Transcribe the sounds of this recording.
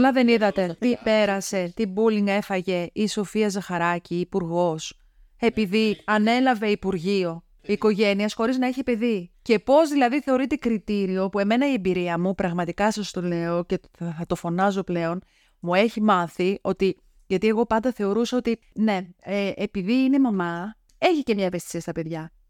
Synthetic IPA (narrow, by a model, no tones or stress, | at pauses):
lɐðe̞niðɐt̪e̞t̪ipe̞ɾɐse̞t̪ibuliŋɡe̞fɐʝe̞iso̞fiɐzɐxɐɾɐciːpuɾɣo̞s | e̞piðiɐne̞lɐve̞ipuɾʝio̞ | iːko̞ʝe̞niɐsxo̞ɾiznɐeçipe̞ðice̞po̞zðilɐðiθe̞o̞ɾit̪e̞kɾit̪iɾio̞pue̞me̞nɐiembiɾiɐmupɾɐɣmɐt̪ikɐsɐst̪o̞le̞o̞ce̞ | θɐt̪o̞fo̞nɐzo̞ple̞o̞n | mue̞çimɐθio̞t̪i | ʝɐt̪ie̞ɣo̞pɐnd̪ɐθe̞o̞ɾusɐo̞t̪i | ne̞eʔepiðiine̞momɐ | e̞çice̞mɲɐevest̪isiɐst̪ɐpe̞ðʝɐ